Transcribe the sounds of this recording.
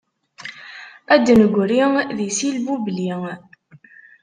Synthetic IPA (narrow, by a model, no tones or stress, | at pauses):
æd̪ːnəɡʷɾiðisilbubli